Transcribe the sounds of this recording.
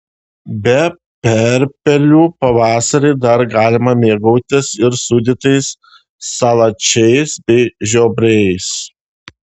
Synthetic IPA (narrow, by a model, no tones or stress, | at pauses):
bʲɛ | pʲɛɾʲpʲɛlʲuːpɐʋɑːsɐɾʲɛɪd̪ɐɾɡɑːlʲɪmɐmʲeːɡɐʊt̪ʲɪsɪɾsuːd̪ʲɪt̪ɐɪsː | ɐlˠɐt͡ʃʲɛɪsbʲɛɪʒʲoːbʲɾʲɛɪs